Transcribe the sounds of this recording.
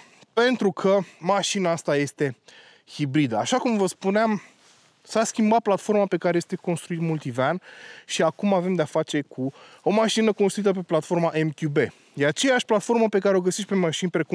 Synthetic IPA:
pe̞nt̪ɾukʰəmaʃinaast̪aje̞st̪e̞ | hibɾid̪əaʃakumvəspuneam | saskʲimbat̪̚plat̪fo̞rmape̞kaɾe̞jest̪e̞ko̞nst̪ɾuit̪mult̪ivanʃiakumave̞md̪eafat͡ʃe̞kʰuo̞maʃinəko̞nst̪ɾuit̪əpe̞plat̪fo̞rmaʔe̞mk̪ʲube̞ | d̪eat͡ʃe̞jaʃʲplat̪fo̞rməpe̞kaɾeo̞ɡəseʃt̪pe̞maʃinʲpɾe̞ku

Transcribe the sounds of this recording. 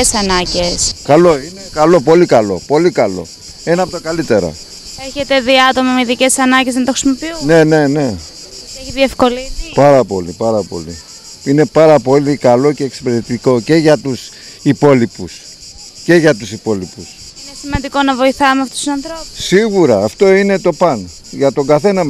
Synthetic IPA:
esɐnɐɟeskɐlo̞inekɐlo̞p̬o̞likɐlo̞po̞likɐlo̞̰ | e̞nɐɐpot̪ɐkɐlit̪e̞ɾɐ̰ | eçe̞t̪e̞ðiɐt̪o̞mɐmeðice̞sɐnɐɲɟe̞zðent̪oxɾisimo̞piunene̞ne̞ | eçiðie̞fko̞lipɐɾɐpo̞̰lipɐɾɐpo̞̰lḭ | ine̞pɐɾɐpo̞likɐlo̞ce̞ːkse̥peɾet̪iko̞ce̞ʝɐt̪us | ipo̞lipus | ce̞ʝɐt̪usipo̞lipus | inesimɐnd̪iko̞nɐvo̞iθɐmeɐft̪o̥st̪usɐnθɾopusiɣuɾɐːft̪o̞ine̞t̪o̞pɐn | ʝɐt̪o̞ŋɡɐθe̞nɐm

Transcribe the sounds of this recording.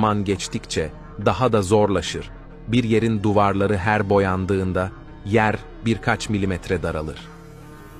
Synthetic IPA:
manɟɛt͡ʃt̪ʰict͡ʃʰɛ | d̪aɦad̪azo̞ɾlˠaʃɯɾ̥ | biɾje̞ɾind̪uvaɾlˠaɾɯɦæɾbo̞jand̪ɯːnd̪a | jæɾ | biɾkʰat͡ʃmilʲimɛt̪ɾɛd̪aɾalˠɯ̰ɾ̥

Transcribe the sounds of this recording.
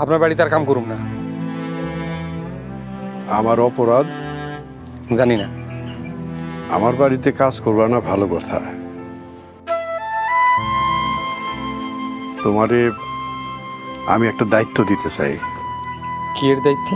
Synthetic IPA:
apnaɾbaɽit̪aɾkamkɔɾumna | amaɾɔpoɾad̪ | d͡ʑanina | a̰maɾbaɽit̪ekad͡zkoɾbanabʱalokɔt̪ʰa̰ | t̪omaɾe | a̰miɛk̚ʈad̪ait̪ːod̪it̪et͡ɕa̰j | kieɾd̪ajt̪ːo

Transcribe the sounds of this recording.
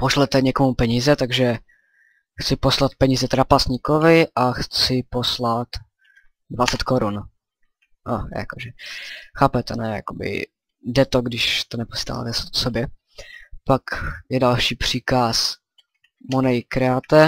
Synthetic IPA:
poʃlɛt̪ɛɲɛkomupɛɲiːzɛt̪aɡʒɛ | xt͡sɪpo̞slat̪̚pɛɲiːzɛt̪ɾapasɲɪkovɪʔaxt͡sɪpo̞slat̪ | dvat͡sɛt̪koɾun | ʔa̰ja̰koʒɛxaːpɛt̪ɛnɛːja̰kobɪ̰ | dɛt̪oɡdɪʃt̪onɛposi̥t̪a̰ːa̰ːt̪ɛssobjɛ | pakjɛdalʃiːpr̝̥iːkas | monɛjkɾɛat̪ɛ

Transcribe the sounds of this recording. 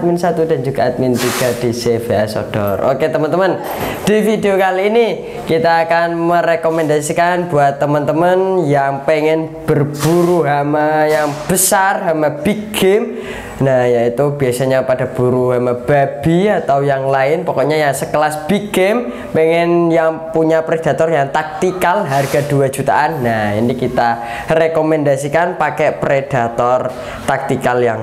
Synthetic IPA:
t̪mɪnsat̪udand͡ʒuɡaat̪̚mint̪iɡ̥adiseveaso̰d̥ɔ̰ro̰ket̪əmənt̪əmən | d̥ifideokaliːni | kit̪aːkanməɾekomɛndasikanbuat̪ːəmənt̪əmənjaŋpeŋɛnb̥ərb̥uɾuɦamajaŋb̥əsarɦamab̥iɡɪm | najait̪ubiasaɲapadab̥uɾuɦamab̥ab̥iat̪awjaŋlaɪnpɔkɔɲajaŋsəkəlasb̥iɡɪm | pɛŋɛnjaŋpuɲapɾed̥a̤t̪ɔrjaŋt̪ak̚t̪ikalɦarɡaduad͡ʒut̪a̰ʔanːahḭnikit̪a | rekomɛndasikanpakɛpɾed̥at̪ɔr | t̪ak̚t̪ikaljaŋ

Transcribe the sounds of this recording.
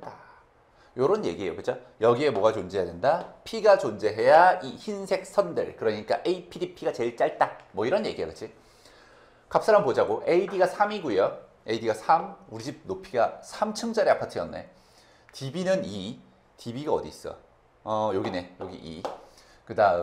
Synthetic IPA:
da | joɾʌnje̞ɡie̞jokɯt͡ɕʰo | jʌɡie̞mwoʌɡat͡ɕond͡ʑe̞ɦjadendapʰiɡat͡ɕond͡ʑe̞ɦe̞jaiçinsʰe̞k̚s͈ʰʌndɯ̰ɭkɯɾʌɲik͈a̰ʔeipʰidipʰiɡat͡ɕe̞ɭt͡ɕ͈aɭt͈amwʌiɾʌnje̞̰ɡiekɯt͡ɕʰi | kap̚s͈aɾampod͡ʑaɡoʔeidiɡasʰamiɡujo | eidiɡasʰamuɾid͡ʑip̚nopʰiɡasʰamt͡ɕʰɯŋd͡ʑʌɾeapʰatʰijʌnːḛ | tibinɯni | tibiɡaʌdḭs͈ʌ̰ | ʌjoɡine̞joɡḭʔḭ | kɯda

